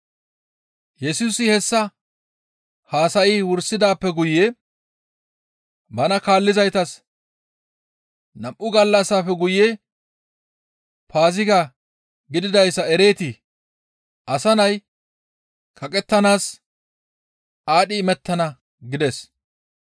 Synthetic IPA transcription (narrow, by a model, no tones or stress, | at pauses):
jɛsuːsɪhɛsːɐ | haːsɐʔɪwʊɾsɪd̪aːpːɛɡʊjːe | bɐnɐkaːlːɪzɐjt̪ɐs | nɐmʔːʊɡɐlːɐsːaːfɛɡʊje | paːzɪkɐ | ɡɪd̪ɪd̪ɐjsɐɛɾe̞ːt̪ɪ | ʔɐsɐnɐj | kʰɐkʼɛt̪ːɐnaːs | ʔaːɗɪːmɛt̪ːɐnɐ | ɡɪd̪ɛs